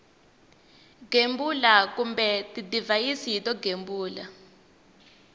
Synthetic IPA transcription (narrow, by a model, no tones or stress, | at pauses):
ɡ̥ʱembulakumbɛtidivajisiitɔɡʱembuːla̰